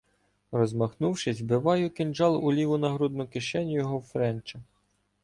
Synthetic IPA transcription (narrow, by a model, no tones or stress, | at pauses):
rɔzmɐxnuwʃɪzʲbɪʋɑjʊkɪnd͡ʒɑlˠʊlʲiʋʊnɐɦɾud̪nʊkɪʃɛnʲʊjɔɦɔwfɾɛnt͡ʃɐ